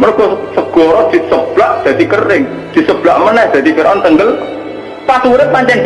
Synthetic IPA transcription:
mənokɔsəɡ̥ɔɾɔd̪̥i̤ʔsəb̥laʔd̪̥ät̪ikərɪŋ | d̪̥i̤səb̥laʔmənɛhd̪̥a̤t̪ifiɾʔɔnt̪əŋɡəl | pasuɾɪp̪̚paɲt͡ʃɛn

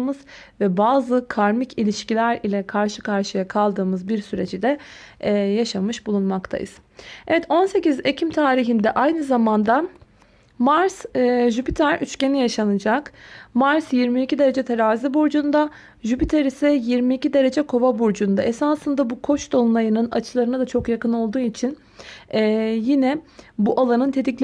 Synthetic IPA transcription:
mɯz̥vɛbaːzɯkʰaɾmicʰilʲiʃcilʲæɾilʲɛkʰaɾʃɯ̥kʰaɾʃɯjakʰalˠd̪ɯːmɯzbiɾsyɾe̞t͡ʃid̪ɛ | jaʃamɯʃbulˠunmakt̪ʰa̰jɯ̰z̥ | evɛt̪o̞nse̞cize̞cʰimt̪ʰaːɾiɦind̪ɛʔajnɯzamand̪a | maɾsʒypit̪ʰaɾʔyt͡ʃce̞nijaʃanɯd͡ʒakmaɾsjiɾmiːcid̪e̞ɾe̞d͡ʒɛt̪ʰeɾaːzibuɾd͡ʒund̪a | ʒypit̪ʰaɾisɛjiɾmiːcid̪e̞ɾe̞d͡ʒɛkʰo̞vabuɾd͡ʒund̪aʔesaːsɯnd̪abukʰo̞t͡ʃd̪o̞nlˠajɯnɯna̰t͡ʃʰɯlˠaɾɯnad̪at͡ʃʰo̞kjakɯno̞lˠd̪uːit͡ʃʰinː | jinɛbuʔalˠanɯnt̪ʰe̞d̪iclʲ

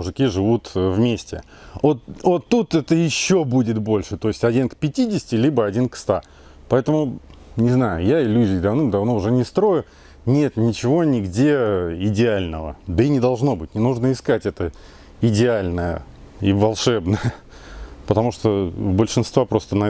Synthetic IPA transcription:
mʊʐɨkʲiʐɨvut̪vmʲesʲtʲɪ̰ | ot̪ot̪ːut̪ɛt̪əjɪɕːo̞budʲɪt̪bo̞lʲʂɨt̪o̞ɪsʲtʲɐdʲinkpʲɪtʲidʲɪsʲɪ̥tʲɪlʲibəɐdʲinkst̪a | pɐɛt̪əmʊnʲɪznajʊ̰jaɪlʲːuzʲɪjd̪ɐvnɨmd̪ɐvno̞ʊʐɛnʲɪst̪ɾo̞jʊ | nʲe̞t̪nʲɪt͡ɕɪvo̞nʲɪɡdʲe̞ɪdʲɪalʲnəvə̰d̪əinʲɪd̪ɐlˠʐno̞bɨtʲnʲɪnuʐnəɪskatʲɛt̪ə | ɪdʲɪalʲnəjə̰ | ivɐlˠʂɛbnəjə | pət̪ɐmuʂt̪obəlʲʂɨnst̪vapɾo̞st̪ənɐ

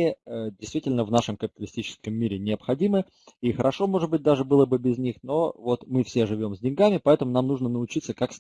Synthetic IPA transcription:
ɪədʲɪjst̪vʲitʲɪlʲnəvnaʂɨmkəpʲɪ̥t̪əlʲɪsʲtʲit͡ɕɪ̥skəmːʲiɾʲɪnʲɪəpxɐdʲimɨ | ixəɾɐʂo̞mo̞ʐɨd̪bɨt̚ʲd̪aʐɨbɨlˠəbɨbʲɪznʲixno̞vo̞t̪mɨfsʲe̞ʐɨvʲo̞mzʲdʲɪnʲɡamʲɪpɐɛt̪əmʊnamnuʐnənəʊt͡ɕit̪səkaks

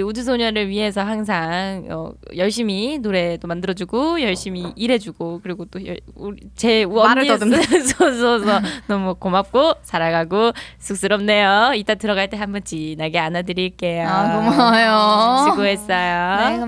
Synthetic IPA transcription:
udus̬ʰoɲʌɾɯɭɥiɦe̞s̬ʰʌɦaŋs̬ʰaŋʌ̰jʌɭɕ͈iminoɾe̞t͈omandɯɾʌd͡ʑuɡojʌɭɕ͈imiʔiɾe̞d͡ʑuɡokɯɾiɡot͈ojʌ | t͡ɕe̞ʌ | sʰʌsʰʌsʰʌnʌmukomap̚k͈osʰaɾaɡaɡosʰuk̚s͈ɯɾʌmne̞joit͈atɯɾʌɡaɭt͈e̞ɦambʌnd͡ʑ͈inaɡeanadɯɾiɭk͈e̞jomajoɕʰiɡoɦes͈ʌjo

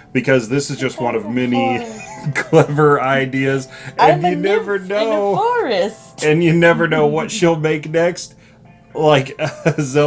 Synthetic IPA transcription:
b̥ɨkʰʌzðɪsɨzd͡ʒʌst̚wʌ̃nʌvmɛnikʰl̥ɛvə˞aɪdiɨzɨ̃njɨnɛvə˞noɔɹɪs | tɨ̃njɨnɛvə˞noʊwʌtʃɨlˠmeɪknɛkst̚ | laɪkʌzo

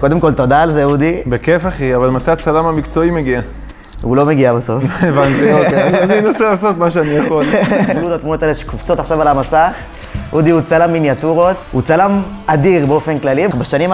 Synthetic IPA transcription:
ko̞d̪e̞mko̞lt̪o̞d̪aːlzeud̪ibekefaχiavalmat̪ajt͡salamamikt͡so̞imeɡia | hulo̞meɡiabaso̞fevant̪iokeaninaselaso̞t̪maʃeaniakolud̪at̪munot̪eleʃkuft͡so̞t̪aχʃavalamasaχ | ʔud̪iut͡salamːinjat̪uʁo̞t̪hut͡salamad̪iʁbeo̞fenklalibaʃanim

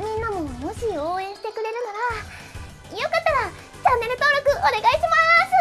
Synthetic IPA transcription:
mʲĩnːamomo̞ɕio̞ːẽɰ̃ɕi̥t̪e̞kɯ̟ɾe̞ɾɯ̟naɾa | ijo̞kat̪ːaɾa | t͡ɕanːe̞ɾɯ̟t̪o̞ːɾo̞kɯ̟ʔone̞ɡaiɕimaimasɨ

